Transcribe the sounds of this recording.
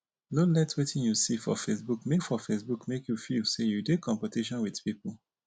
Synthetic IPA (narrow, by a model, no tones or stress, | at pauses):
nolɛtwetʰĩnjusifɔ̰fesbukmefɔfesbukmekʰjufilsejudekʰɔ̃mpətiʃɔ̃nwið̥pipl̩